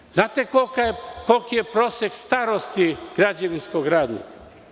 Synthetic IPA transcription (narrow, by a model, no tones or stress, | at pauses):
znaːt̪ekokajekolkijepɾoːsjekst̪aːɾost̪iɡ̥ɾad͡ʒaʋinskoɡɾaːd̪nḭka